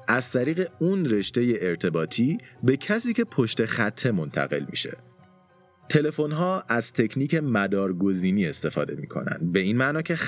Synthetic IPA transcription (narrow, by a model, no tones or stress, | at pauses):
ʔæz̥t̪ʰæɾiːɣe̞unre̞ʃt̪e̞je̞ʔeɾt̪ʰe̞bɒːt̪ʰiːbe̞cʰæsiːcʰe̞pʰo̞ʃt̪e̞xæt̪ʰːe̞mo̞nt̪ʰæ̰ɣe̞̰lmḭʃe̞̰ | t̪ʰe̞le̞fo̞nɦɒːʔæz̥t̪ʰe̞kʰniːcʰe̞mæd̪ɒːɾɡo̞ziːniːe̞st̪e̞fɒ̰ːd̪e̞̰mḭːkʰo̞̰næ̰nd̪be̞iːnmæʔnɒːcʰe̞